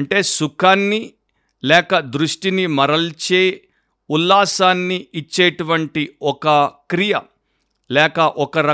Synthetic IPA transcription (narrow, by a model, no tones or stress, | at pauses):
ɐɳʈeːsukʰaːnːi | lɛːkɐd̪ɾuʂʈinimɐɾɐlt͡ʃeː | ulːaːsaːnːiit͡ʃːeːʈuʋɐɳʈiɔkɐkɾijɐ | lɛːkɐʔɔkɐɾɐ